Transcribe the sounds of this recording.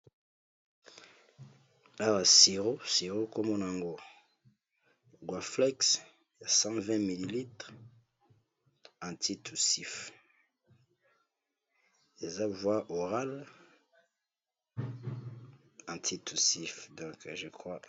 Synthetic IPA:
a˦wa˨si˨ʁo˦si˨ʁo˦ko˦mɔ˦na˨a˨ŋɡo˦ | ɡwa˨flɛ˦ks | ja˨sɑ̃˦vɛ̃˦mi˨li˨li˦tʁ | ɑ̃˨tʰi˦tʰu˨si˦f | e˨za˦vwa˦ʔo˨ʁa˦l | ɑ̃˨tʰi˦tʰu˨si˨fdɔ̃˨kʒə˨kʁwa˦

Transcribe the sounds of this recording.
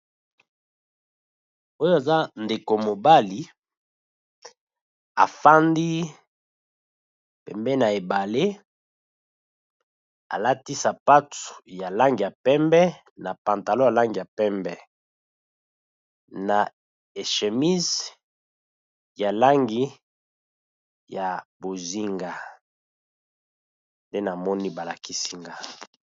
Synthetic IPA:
o˦jo˦e˨za˦nde˨ko˨mo˨ba˦li˨ | a̰˨fa˦ndi˦ | pɛ˨mbɛ˦na˨e˨ba˨le˦ | a̰˨la˦ti˦sa˨pa˦tu̥˨ja˨la˦ŋɡi˨a˨pɛ˦mbɛ˦ | na˨pã˨nta˨lo˦ja˨la˦ŋɡi˨ja˨pɛ˦mbɛ˦ | na˨ | e˨ʃe˨mi˦z | ja˨la˦ŋɡi˦ | ja˨bo˨zi˦ŋɡa˨ | nde˦na˨mɔ˦ni˦ba˨la˨ki˦si˦ŋɡa˦

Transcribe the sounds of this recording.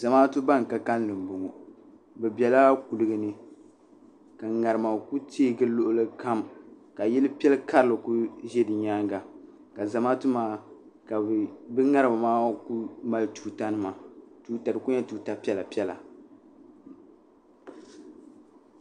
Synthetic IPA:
za˨maː˦tu˦ba˦ŋ˨ka˦ka˦n˦lɨ˨m̩˨bʊ˨ŋɔ˨ | bɛ˨bɛ˨la˦ku˨lɨ˦ɡɨ˦nɨ˦ | ka˨ŋa˨ɾɨ˨ma˨ku˦teː˦ɡɨ˦lo˦ʔʊ˦lɨ˦ka˦mka˨jɛ˦lɨ˦pi˦ɛ˦lka˦ɾɨ˨lɨ˨ku˦ʒɛ˦dɨ˨ɲaː˦ŋɡa˨ | ka˨za˨maː˦tu˦maː˦ | ka˨bɨ˦ŋa˦ɾɨ˨ba˨maː˦ku˦ma˨lɨ˦tuː˦ta˦nɨ˦ma˨tuː˦ta˨ɾɨ˨ku˦ɲɛ˦tu˦ta˨˦pi˦ɛ˦la˨pɛ˦la̰˨

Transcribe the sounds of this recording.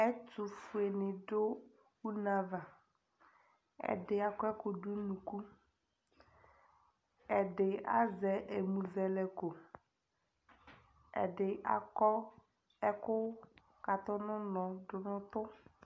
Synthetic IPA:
ɛ˦tu˨fu˨e˨nɪ̃˨dʊ˦ | u˦na˨va˨ | ɛ̰˨dɪ˨a˨kɔ˦ɛ˦kʊ˨du˦nũ˨ku˦ | ɛ˨dɪ˨a̰˦zɛ˨ʔe˨mũ˨vɛ˨lɛ˨ko˨ | ɛ̰˨dɪ˨ʔa̰˨kɔ˦ | ɛ˦kʊ˦ | ka˨t̪ʊ˦nʊ̃˦nɔ̃˨dʊ˨nʊ̃˦t̪ʊ˦

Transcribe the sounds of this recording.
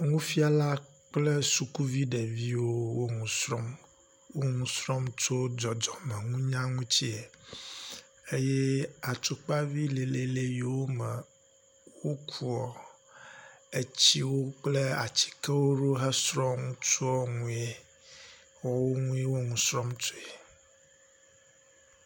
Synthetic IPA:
ŋũ˦fi˦a˨la˦ | k͡plɛ˦su˨ku˦vi˦ɖe˨vi˦wo˦wo˦ŋũ˨sɾɔ˦m | wo˦ŋũ˦sɾɔ˦mt͡ʃo˦d͡ʒɔ˨d͡ʒɔ˨mɛ˨ŋũ˦ɲã˦ŋũ˦t͡ɕi˦e˨ | e˦je˦a˨t͡ʃo˦k͡pa˦vi˦le˨le˨le˦je˨wo˦mɛ˨ | wo˦kʰu˦ɔ˨ | e˦t͡ɕi˦wo˦k͡ple˦a˨t͡ɕi̥˨kɛ˦wo˦ɖo˦ɦɛ˦sɾɔ̃˦ŋũ˦t͡ʃo˦ɔ˦ŋũ˦e˦ | wɔ˦wo˦ŋũ˦e˦wo˦ŋũ˨sɾɔ˦mt͡ʃo˦e˨

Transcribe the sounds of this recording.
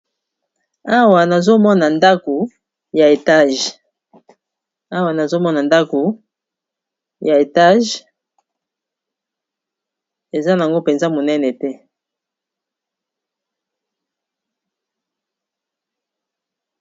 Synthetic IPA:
a˦wa˨na˨zo˦mɔ˦na˨nda˦ko˨ | ja˨e˨ta˦ʒ | a˦wa˨na˨zo˦mɔ˦na˨nda˦ko˨ | ja˨e˨ta˦ʒ | e˨za˦n˨a˨ŋɡo˦pɛ˨nza˦mo˨nɛ˦nɛ˨tɛ˦

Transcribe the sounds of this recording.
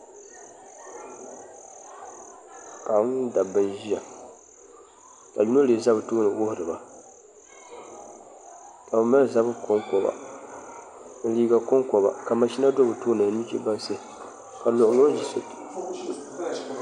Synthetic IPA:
ka˨˦da˨bɨ˦nʒi˦ja˨ | ka̰˨ju˦no˦le˨za˦bɨ˨toː˦nɨ˨wʊ˦hʊ˨ɾɨ˨ba˨ | ka˨bɨ˨ma˦lza˦bɨ˦kɔ˦ŋkɔ˨ba̰˨ | n̩˨liː˦ɡa˨kʊ˦ŋkɔ˨ba̰˨ka˨ma˨ʃi˦na˦do˦bɨ˨toː˦nɨ˨˦nu˦t͡ʃḛ˦ba˦n˦se˦˨ | ka˨lo˨ʔʊ˦ŋo˦d͡ʒi˨so˦t

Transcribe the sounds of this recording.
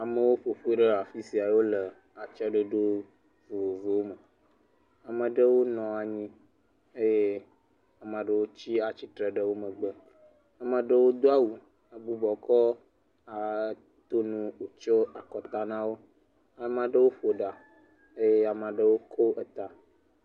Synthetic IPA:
a˨mə̃˨wo˦ɸo˨ɸu˦i˦ɖə˦a˨fi˦si˨a˨wo˦lə˨ | a˨t͡ʃa˦ɖə˦ɖo˦ | vo˨o˨vo˨wo˦mə˨ | a˨mə̃˨ɖə˦wo˦nɔ̃˨a˨ɲĩ˦ | e˦je˦ | a˨mã˨ɖə˦˨wo˦t͡ɕi˦a˨t͡ɕi˦t̪ɾə˨ɖə˨wo˦mə̃˨ɡ͡bə˦ | a˨mə̃˨ɖə˦wo˦d̪o˦a˦wu˨ | a˨bu˨bɔ˨kɔ˦ | a˨ | t̪o˦nũ˦o˨t͡ʃɔ˦a˨kɔ˨t̪a˦nã˦wo˦ | a˨˦mã˨ɖə˦wo˦ɸo˨ɖa˨ | e˦je˦a˨mã˨ɖə˦wo˦kʰo˦ʔə˨t̪a˨

